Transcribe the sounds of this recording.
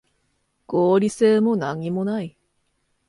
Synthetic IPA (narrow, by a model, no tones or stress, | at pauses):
ɡ̥oːɾʲise̞ːmo̞naɲ̟imo̞nai